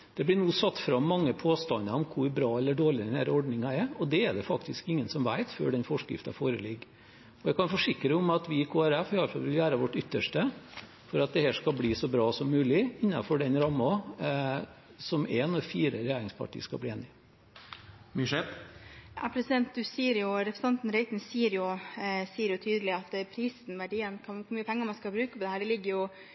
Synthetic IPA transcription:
d̪̥ɛblɪnuːsɑt̪ːfɾɑmːɑŋːəpʰoːst̪ɑnːəɔmkʰʊɾbɾɑːɛlːəɖoːɭɪd̪ɛnhæ̰ːɾɔɖnɪŋɑɛɔd̪ɛɛɖɛfɑkt̪ɪskɪŋːənsɔmʋæɪt̪fø̰ːɖɛnfɔʂkɾɪ̰ft̪ɑfoːɾəlɪɡː | ɔɛɪkɑnfɔʂɪkɾəʊmɑt̪ʋɪkʰoːæɾɛfɪɑlfɑ̰lʋɪlʋæːɾəʋɔʈːʏt̪ːəʂʈə | fɔɾɑt̪̚d̪ɛhɛːʂkɑbliːsɔbɾɑːsɔmːʉːlɪɪnːɑ̰fɔɖɛnɾɑmːɑ | sɔmeːnɔfiːɾəɾɛjæːɾɪŋspʰɑ̰ʈʰḭːskɑ̰bliːeːnːɪ | miʂɛpjɑ̰pʰɾɛsɪd̪ɛnt̪̚d̪ʉsiːəɾjʊɾɛpʰɾsɛnt̪n̩ɾɛɪt̪nsiːəɾjʊsiːəɾjʊt̪ʰyːd̪əlɪɑt̪ːpʰɾiːsn̩ʋæɖiːənkʰɑkʊɾmyːəpʰɛŋːəmɑnskɑbɾʉːkəpɔd̪ɛæːɖɛlɪɡːəɾjʊ

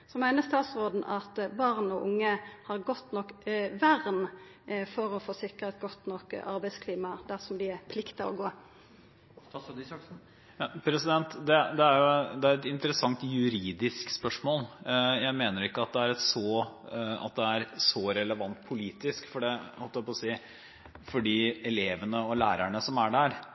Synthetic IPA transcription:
sɔmæɪnəɾst̪ɑːt̪sɾoːd̪n̩ʔɑt̪bɑʁnɔʔʊŋːəhɑɾɡɔt̪ːnɔkːʋæɾn | fɔɾɔfoːsɪkːəɾɑt̪ɡɔt̪nɔkɑɾbæɪskʰliːmɑd̪æsɔmd̪ɪæɾpʰlɪkt̪ɑɔ̰ɡoː | pʰɾɛsɪd̪ɛnt̪d̪ɛd̪ɛæɾjʊd̪ɛæɾɛt̪ɪnt̪əɾəsɑŋt̪jʉɾiːd̪ɪskspœʂmoːljæɪmeːnəɾɪkːəɑt̪̚d̪ɛæɾɛt̪sɔːɑ̰t̪̚d̪ɛæɾsɔɾɛləʋɑnt̪̚pʰʊliːt̪ɪskfɔɖɛhɔlt̪æpɔsiː | fɔɖiːɛleːʋənəɔlæːɾæɳəsɔmæɖæɾ

